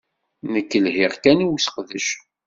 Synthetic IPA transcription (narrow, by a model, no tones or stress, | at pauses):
nəkːəlhɪʁkæniwisə̥qðəʃ